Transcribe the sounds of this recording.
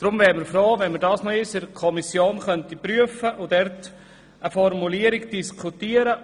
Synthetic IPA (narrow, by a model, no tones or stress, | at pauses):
d̥ɾʊmvɛːɾmɪɾfɾoːvɛnməɾdɑːsnɔɪsɪɾkʰɔmisjoːnχœntipryəfəʔʊdɛrt | ʔəfɔɾmuliəɾɪɡd̥iskʰutiəɾə